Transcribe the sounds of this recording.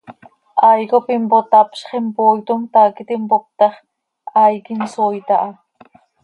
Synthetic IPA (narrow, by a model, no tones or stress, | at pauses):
ajkopɪmpot̪apʃχempojt̪ʊmt̪akɪt̪ɪmpok̚t̪ɑχ | ajkɪnsojt̪aʔa